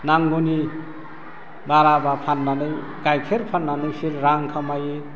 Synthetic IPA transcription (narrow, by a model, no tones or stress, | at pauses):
naŋɡuni | baɾabapʰanːanɯj | kajkʰeɾpʰanːanɯjpʰiɾɾaŋkʰamaje